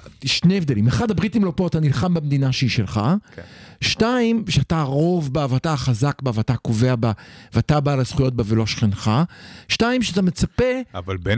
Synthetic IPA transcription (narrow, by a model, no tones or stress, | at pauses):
ʃneevd̪elimeχadabʁitimlo̞po̞at̪anilχambemed̪inaʃeiʃelχa | ʃtaimʃeataʁo̞vbavataχazakbaveatakoveabaveatabalaz̥χujo̞t̚bavelo̞ʃχenχaʃtaimʃeat̪amet͡sape̞avalbe